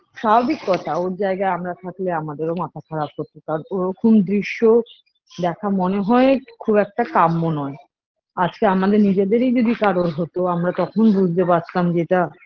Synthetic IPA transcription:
ʃababikːɔt̪ʰaoɾd͡ʑaeɡaeamɾat̪ʰakleamad̪eɾomat̪ʰakʰaɾab̚koɾt̪ːokaɾonoɾɔkʰomd̪ɾiʃːo | d̪ɛkʰamoneɦɔekʰubɛk̚ʈakamːonɔe | ad͡ʑkeamad̪eɾnid͡ʑed̪eɾejd͡ʑod̪ikaɾoɾɦot̪oamɾat̪ɔkʰonbud͡ʑʱt̪epat̪amd͡ʑeʈa

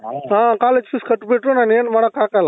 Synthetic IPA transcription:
ɦãkaːled͡ʒfiskəʈbeʈɾunanenmaɽakakala

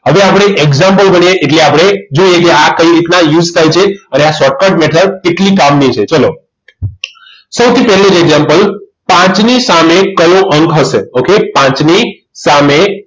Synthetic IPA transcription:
ɦəʋeapɽ̃eʔeɡzãmpəlbəɳijeʔːʈleapɽ̃ed͡ʒoijekeakəiɾit̪najud͡ʒt̪ʰajt͡ʃʰeəneasɔʈ̚kəʈmɛʈʰəɾkeʈlikamnit͡ʃʰet͡ʃəlo | səwt̪ʰipɛɦlid͡ʒeɡzampəl | pãt͡ʃnisamekəloʔəŋkɦəʃeokepãt͡ʃni | same

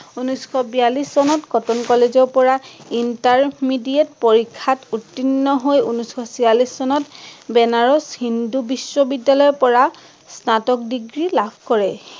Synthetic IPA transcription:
unusxɔbijalissɔnɔtɡɔtɔnkɔlezɔɹpɔɹaintaɹmidiɛtpoɹikʰːatutːinːɔɦojunusxɔsialissɔnɔtbɛnaɹɔshindubisːɔbidːalɔjɔpɔɹa | snatɔk̚diɡɹilabʱkɔɹɛ

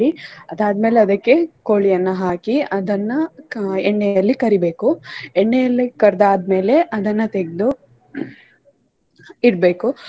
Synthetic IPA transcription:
iɐd̪aːd̪meːleɐd̪ɐkːe̞koːɭijɐnːɐɦaːkiɐd̪ɐnːɐeɳːejɐlːikɐɾibe̞ːkueɳːejɐlːikɐɾd̪aːd̪me̞ːle̞ʔɐd̪ɐnːɐt̪eɡd̪u | iɾbe̞ːku

